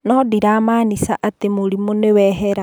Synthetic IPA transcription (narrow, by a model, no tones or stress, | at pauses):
nɔdiɾaːmaːnisaʔatemoɾimonewɛɦɛɾa